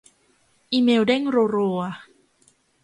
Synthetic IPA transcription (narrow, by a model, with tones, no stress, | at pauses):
ʔi˧me˧wdɛ˥˨ŋro˧ɾo˧a